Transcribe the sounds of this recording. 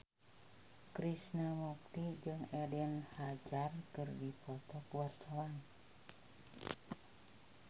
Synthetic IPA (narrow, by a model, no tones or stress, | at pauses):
kɾisnamɔk̚t̪id͡ʒɨŋɛdɛnhad͡ʒarkɨrdipɔt̪ɔkəwart͡ʃawan